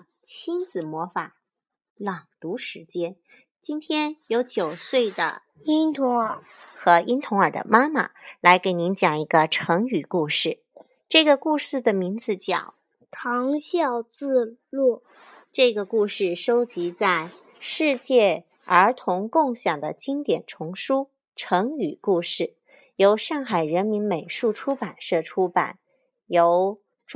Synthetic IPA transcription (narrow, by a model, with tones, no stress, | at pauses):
t͡ɕʰi˥nt͡sɹ̩˨˩mwɔ˧˥fa˨˩˦ | lɑ˨˩ŋt̪u˧˥ʂɻ̩˧˥t͡ɕjɛ˥n | t͡ɕi˥nt̪ʰjɛ˥njo˧˥ʊt͡ɕjo˨˩ʊswe˥˩ɪd̪ə̰˩ | i˥nt̪ʰʊ˧˥ŋə˞˨˩˦ | xɤ˧˥ʔi˥nt̪ʰʊ˧˥ŋə˞˨˩d̪ə̰˦ma˥mə̰˩la˧˥ɪke˧˥ɪni˧˥nt͡ɕjɑ˨˩ŋi˧˥ɡə˧ʈ͡ʂʰɤ˧˥ŋy˨˩ku˥˧ʂɻ̩˥˩ | ʈ͡ʂɤ˥˩ɡə˩ku˥˧ʂɻ̩˥˩d̪ə˩mi˧˥nt͡sɹ̩˧t͡ɕjɑ̰˨˩˦ʊ | tʰɑ˧˥ŋɕjɑ˥˧ʊt͡sɹ̩˥˧lu˥˩ | ʈ͡ʂɤ˥˩ɡə˩ku˥˧ʂɻ̩˥˩ʂo˥ʊt͡ɕi˧˥t͡sa˥˧ɪ | ʂɻ̩˥˧t͡ɕjɛ˥˩ | ə˞˧˥t̪ʰʊ˧˥ŋkʊ˥˩ŋɕjɑ˨˩ŋd̪ə̰˦t͡ɕi˥ŋt̪jɛ˨˩nʈ͡ʂʰʊ˧˥ŋʂu˥ | ʈ͡ʂʰɤ˧˥ŋy˨˩ku˥˧ʂɻ̩˥˩ | jo˧˥ʊʂɑ˥˩ŋxa˨˩ɪɻə˧˥nmi˧˥nme˨˩ɪʂu˥˩ʈ͡ʂʰu˥pa˨˩nʂɤ˥˩ʈ͡ʂʰu˥pa̰˨˩˦n | jo˧˥ʊ | ʈ͡ʂ